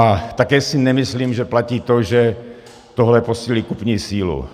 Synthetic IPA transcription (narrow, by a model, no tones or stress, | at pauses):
at̪akɛːsɪnɛmɪsliːmʒɛplaciːt̪oʒɛ | t̪oɦlɛposiːlikupɲiːsiːlṵ